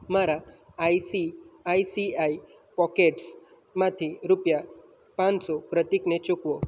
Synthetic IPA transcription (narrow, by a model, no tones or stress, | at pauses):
maɾa | ajsiajsiai | pɔkeʈs | mãt̪ʰiɾupja | pãnsopɾət̪iknet͡ʃukʋo